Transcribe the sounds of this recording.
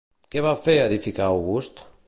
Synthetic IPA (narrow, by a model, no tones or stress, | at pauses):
keβafeɐðifikaoɣust̪